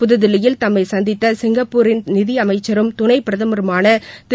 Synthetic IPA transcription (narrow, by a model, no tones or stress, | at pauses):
pʊðɯðɪlɐjɪlt̪ɐmːɐɪsɐnd̪ɪt̪ːɐsɪŋɡɐpːuːɾɪnnɪðɪɐmɐɪt͡ʃːɐɾɯmt̪ʊnɐɪpːɪɾɐðɐmɐɾɐmaːnɐt̪